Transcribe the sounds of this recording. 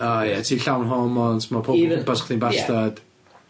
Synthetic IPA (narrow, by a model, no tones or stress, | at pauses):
ajɛtʰiːɬawnɦɔmɔntʰmɔpʰob̥asχʰðinbastad̥